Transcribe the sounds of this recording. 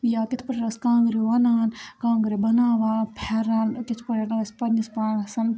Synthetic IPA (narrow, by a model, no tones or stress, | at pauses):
jaːkɪt̪ʰpɐɾɾɐskãːŋɡɾeʋɐnaːnkãːŋɡɾebɐnaːʋaːpʰɛːɾaːnkɪt͡ʃʰpɐɾeʈɐɐspɐnspaːsɐn